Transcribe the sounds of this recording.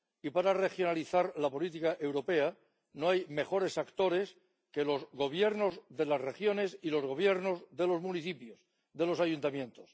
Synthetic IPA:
ipaɾare̞xjonaliθaɾlapo̞lit̪̬ikaʔe̞wɾo̞pe̞a | noajme̞xo̞ɾe̞sakt̪o̞ɾe̞s | ke̞lo̞zɣo̞β̞je̞ɾno̞zðe̞lazre̞xjo̞ne̞silo̞zɣ̞o̞β̞je̞ɾno̞zðe̞lo̞zmuniθipjos | ðe̞lo̞sajunt̪amjẽ̞nt̪o̞s

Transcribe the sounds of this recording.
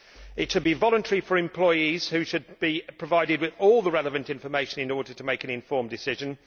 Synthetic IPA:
ɪtʃəd̚bivɒlˠə̃ntʰəɹifəɹɪ̃mpʰl̥ɔɪiz̥hʉʃəd̚b̥ipʰɹ̥əvaɪɾɪd̚wɪðɔːlˠðəɹɛləvə̃ntɪ̃ɱfəmeɪʃə̃nɪ̃nɔːdətʰəmeɪkɨ̃nɪ̃ɱfɔːmdɪsɪʒə̃n

